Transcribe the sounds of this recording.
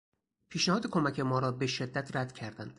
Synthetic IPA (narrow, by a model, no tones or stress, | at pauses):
pʰiːʃnæhɒːd̪ekʰomæcʰe̞mɒːɾɒːbe̞ʃe̞d̪ːæt̪ʰɾæd̪cʰæɾd̪ænd̪̥